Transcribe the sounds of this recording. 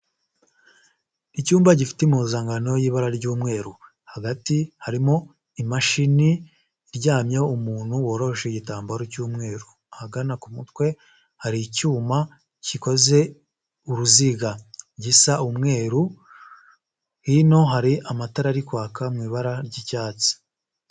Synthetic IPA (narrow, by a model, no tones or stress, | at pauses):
icuːmbaɟifi̥temuzaːŋɡano̞jiːβaɾaɾɟuːmŋe̞ːɾu | haɡatihaɾimo̞ | imaʃiniː | ɾɟaːmɲaumuːn̥huwo̞ːɾo̞hʃeɟitaːmbaɾocuːmŋe̞ːɾu | haɡanakumutwe̞ | haɾicuːma | ciko̞ze̞ | uɾuziɡaɾɟisaʔumŋe̞ːɾu | hino̞ɦaɾiʔamataɾaɾikwaːkamŋiːβaɾaɾɟicaːt͡si̥